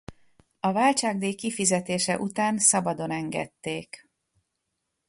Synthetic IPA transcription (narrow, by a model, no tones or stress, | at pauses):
ɒvaːlt͡ʃaːɡ̚d̪eːkifizɛt̪eːʃɛ̰ʔut̪aːnsɒbɒd̪o̞nɛŋɡɛ̰t̪ːeːk